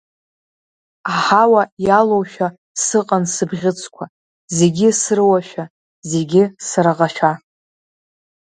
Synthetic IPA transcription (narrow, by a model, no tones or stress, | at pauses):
aħawajalowʃᶣa | sɨqʼansɨbʁʲɪt͡sʰkʷʰa | ze̞ɡʲɪsɨrɨwaʃᶣa | ze̞ɡʲɪsaɾaʁaʃᶣa